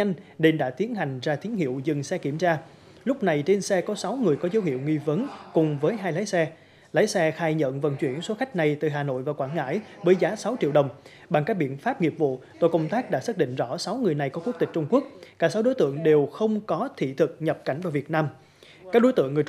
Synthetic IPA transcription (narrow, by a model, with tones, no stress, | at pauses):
a˧ŋ̟ne˧nɗa̰ː˧˥t̪i˨˦ənɦa˨˩jŋ̟zaː˧t̪i˨˦ənhḭ˧˨əwzɨ˨˩ŋsɛ˧ki˧˩əmt͡ɕaː˧ | lʊ˦˥k͡p̚na˨˩jt͡ɕe˧nsɛ˧kɔ˨˦sa˨˦wŋɨ˨˩əjkɔ˨˦zə˨˦whḭ˧˨əwŋi˧və˨˦nkʊ˨˩ŋ͡mvəː˨˦jɦaː˧jlaː˨˦jsɛ˧ | laː˨˦jsɛ˧xaː˧jɲə̰˧˨nvə̰˧˩nt͡ɕwi˧˩ənso˨˦xa˦˥jk̟̚na˨˩jt̪ɨ˨˩ɦaː˨˩no̰˧˨jvaː˨˩kwaː˧˩nŋa̰ː˧˥jvəː˨˦jzaː˨˦sa˨˦wt͡ɕḭ˧əwɗə˨˩wŋ͡m | ɓa˨˩ŋkaː˦˥k̚ɓḭ˧˨ənfaː˦˥p̚ŋi˨˩p̚vṵ˧˨t̪o˧jkə˧wŋ͡mt̪aː˦˥k̚ɗa̰ː˧˥saː˦˥t̚ɗḭ˧˨ŋ̟zɔ̰˧˩sa˨˦wŋɨ˨˩əjna˨˩jkɔ˨˦ku˦˥k̚t̪ï˨˩k̚t͡ɕʊ˧ŋ͡mku˦˥ək̚kaː˧˩sa˨˦wɗo˨˦jt̪ɨ̰˧˨əŋɗe˨˩wxə˧wŋ͡mkɔ˨˦t̪ʰḭ˧˨t̪ʰɨ˨˩k̚ɲə˨˩p̚ka̰˧˩jŋ̟vaː˨˩vi˨˩ət̚naː˧m | kaː˦˥k̚ɗo˨˦jt̪ɨ̰˧˨əŋː˨˩j